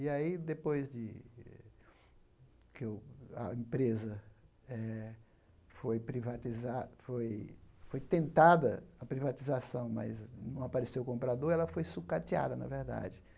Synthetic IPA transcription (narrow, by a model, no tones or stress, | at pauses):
iaid̪epojzd͡ʒɪ | kwɐ̰ẽpɾezɐ | ɛ | fojpɾivat̪izafojfojt̪ẽnt̪ad̪ɐɐpɾivat͡ʃ̪izasɐ̃w̃mɐ̰znɐ̃w̃apaɾesewʊkõmpɾad̪oɾɛlɐfojsukat͡ʃia̰d̪ɐnɐ̰veɾd̪a̰d͡ʒɪ